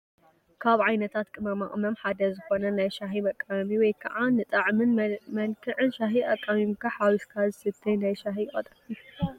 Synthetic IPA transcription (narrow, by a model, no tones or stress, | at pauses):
kʰaβʕajnɐt̪ʰat̪kʼɨmɐmaʔʼmɐmħad̪ɐzɨxo̞nɐnajʃaɦimɐkʼːamiwɔjkʰɐ̰ʔanɨt̪ʼɐʕmɨnmɐnkʰɨʕɨnʃaɦiʔɐkʼːamimkʰɐħawiskʰazɨsɨt̪ʰːɐjnajʃaɦikʼɐt̪ʼɐi